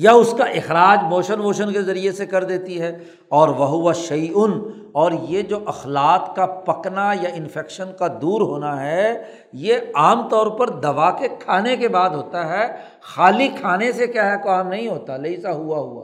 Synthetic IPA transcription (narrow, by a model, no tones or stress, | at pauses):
jaʊskaʔɪxɾaːd͡ʒmoːʃənmoːʃənkezɐɾiesekɐɾd̪eːt̪iɦɛː | ɔːɾʋɐɦʊʋaʃɐːʔʊn | ɔːɾjed͡ʒoːʔɐxlaːt̪kapɐknajaɪ̃nfɛːkʃənkad̪uːɾɦoːnaɦɛ | jeaːmt̪ɔːɾpɐɾd̪ɐʋakekʰaːnek̬ebaːd̪ɦoːt̪aɦɛ | xaːlikʰaːnesekjaːɦɛkoaːmnɐɦĩɦoːt̪alɐisaɦʊaɦʊa̰ː